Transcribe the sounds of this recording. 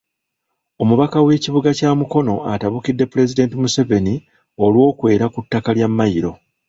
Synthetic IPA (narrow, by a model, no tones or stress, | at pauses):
o̞muβakawe̞ːciβuɡacaːmuko̞no̞a̰taβukidːe̞puɾe̞zide̞ntimuseve̞ni | o̞lwo̞ːkwe̞ːɾakutːakaljamːajiɾo̞